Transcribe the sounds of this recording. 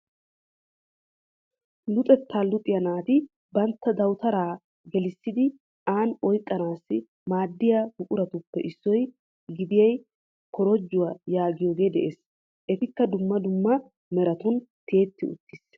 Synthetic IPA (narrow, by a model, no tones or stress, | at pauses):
lʊt̪ʼɛt̪ʰːaːlʊt̪ʼːɪjɐnaːt̪ɪ | bɐnt̪ːɐd̪ɐwt̪ɐɾaː | ɡɛlɪsːɪd̪ɪ | aːnɔjkʼːɐnaːsːɪ | maːd̪ːɪjabʊkʼʊɾɐt̪ʊpːɛʔɪsːɔj | ɡɪd̪ɪjɐj | kɔɾɔd͡ʒːʊwajaːɡɪjoːɡe̞ːd̪ɛʔeːs | ʔɛt̪ɪkːɐd̪ʊmːɐd̪ʊmːɐ | mɛɾɐt̪ʊnt̪ʰe̞ːt̪ːɪʊ̰t̪ːɪs